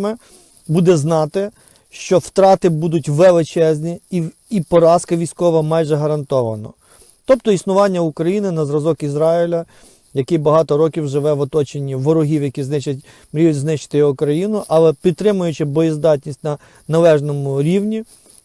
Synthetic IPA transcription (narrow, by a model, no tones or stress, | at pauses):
mɛ | bud̪ɛznɑt̪ɪ | ʃt͡ʃɔwt̪ɾɑt̪ɪbud̪ʊtʲʋelˠɪt͡ʃɛzʲnʲii | ipɔɾɑskɐʋʲijsʲkɔʋɐmɑjʒɛɦɐɾɐnt̪ɔʋɐnɔ̰ | t̪ɔp̚t̪ɔisnʊʋɑnʲːɐukɾɐjinɪnɐzɾɐzɔkizɾɑilʲɐ | jɐkɪbɐɦɑt̪ɔɾɔkʲiwʒɪʋɛʋɔt̪ɔt͡ʃenʲːiʋɔɾɔɦiwjɐkʲiznɪt͡ʃɐtʲ | mɾʲijʊznɪʃt͡ʃɪ̥t̪ɪjɔkɾɐjinʊʔɐlˠɛpʲid̪̚t̪ːɾɪmʊjʊt͡ʃɪbɔjizd̪ɑt̪ʲnʲisʲtʲnɐ | nɐlˠɛʒnɔmʊɾʲiwnʲi